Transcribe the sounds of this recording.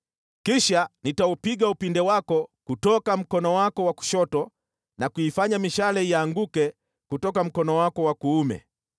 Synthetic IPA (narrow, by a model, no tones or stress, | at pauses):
kiʃanitaupiɠaupindɛwakɔkutɔkam̩kɔnɔwakɔwaku̥ʃɔtɔ | nakuifaɲamiʃalɛiaŋɡukɛ | kutɔkam̩kɔnɔwakɔwakuumɛ̰